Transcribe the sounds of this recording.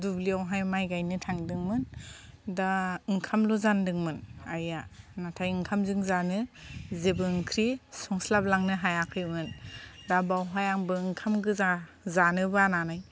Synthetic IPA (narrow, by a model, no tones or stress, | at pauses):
dubliawɦajmajɡajnɯtʰaŋdɯŋmɯndaɯŋkʰamluzandɯŋmɯnajanatʰajɯŋkʰamzɯŋzanɯzebɯŋkʰɾisɔŋslab̚laŋnɯɦajakʰɯjmɯndabawɦajaŋbɯɯŋkʰamɡɯa | zanɯbɯananaj